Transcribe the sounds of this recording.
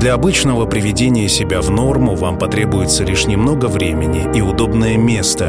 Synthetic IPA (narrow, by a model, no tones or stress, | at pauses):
d̪lʲɐɐbɨt͡ɕnəvəpɾʲɪvʲɪdʲenʲɪjəsʲɪbʲavno̞rmʊvampɐt̪ɾʲebʊjɪt̪səlʲiʂnʲɪmno̞ɡəvɾʲemʲɪnʲɪʔiʊd̪o̞bnəjəmʲe̞st̪ə